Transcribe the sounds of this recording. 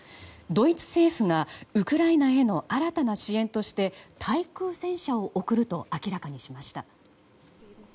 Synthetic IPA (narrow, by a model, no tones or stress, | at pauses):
d̪o̞it͡sɨ̥se̞ːɸɯ̟ŋaɯ̟kɯ̟ɾainae̞no̞ʔaɾat̪anaɕiẽ̞nt̪o̞ɕi̥t̪e̞t̪ʰaikɯːsẽ̞ɰ̃ɕao̞ʔokɯ̟ɾɯ̟t̪o̞akʲiɾakaɲ̟iɕimaɕi̥t̪a